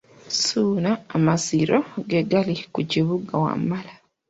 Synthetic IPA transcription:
suːnaːmaziɾoɡeɡalikuciβuɡawa̰mala

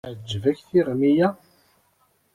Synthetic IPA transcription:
ʕd͡ʒːvæçθiʁmijæ

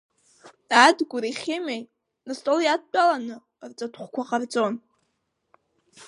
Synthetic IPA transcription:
adɡʷʊɾiχʲemej | nastʼoljad̚t͡pʷʼalanɨ | rt͡sʼatʰʼχʷkʷʰaqʼard͡zʼo̞n

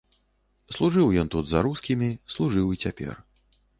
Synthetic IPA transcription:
slˠuʐɨwjɔnt̪ud̪zɐɾuskʲimʲislˠuʐɨwit͡sʲapʲɛ̰r

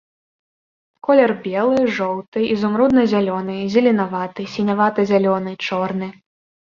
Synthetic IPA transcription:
kɔlʲɛrbʲɛlˠɨʐɔwt̪ɨizumɾud̪̚nɐzʲalʲɔnɨzʲɐlʲinavat̪ɨsʲinʲavat̪ɨzʲalʲɔnɨt͡ʂɔrnɨ

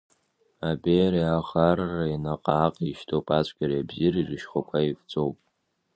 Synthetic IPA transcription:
abeɾiaχarːainaqʼaːqʼiʃtʰʼowpʼat͡ɕʷʼɡʲaɾijabzirizʷɨʃχʷakʷʰaift͡sʷʼowpʼ

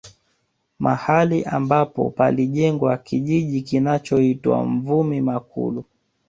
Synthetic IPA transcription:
mahaliʔa̰mbapɔ̰paliʄɛŋɡwakiʄiʄikinat͡ʃɔitwa̰ɱvumimakṵlu

